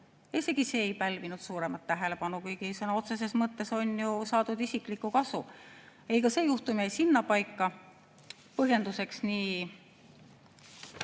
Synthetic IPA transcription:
ise̞ɡ̥ise̞ːjpælʲvinud̪̥suːɾe̞mɑt̪ːæɦe̞le̞pɑnukujɡisɤnɑo̞t̪se̞s̬e̞smɤt̪ːe̞so̞nʲjusɑːd̪ud̪isiklikːˑukɑsu | ejkɑse̞ːjuht̪umiejsinːɑpɑjkˑːɑ | pɤɦje̞nd̪use̞ksniː

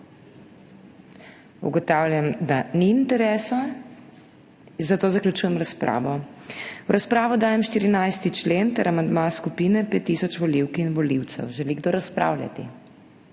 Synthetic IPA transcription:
ṵɡɔt̪aːwlʲjamd̪aniːnt̪ɛɾɛːsa | zat̪oːzaklʲjut͡ʃuːjɛmɾaspɾa̰ːʋɔ | wɾaspɾaːʋɔd̪aːjɛmʃt̪iːɾinajst̪it͡ʃleːnt̪ɛɾamand̪maskupiːnɛpet̪ːiːsɔt͡ʃʋɔliwkinʋɔliwt̪sɛ̰wʒɛliɡd̪oːɾaspɾa̰wlʲja̰t̪ḭ

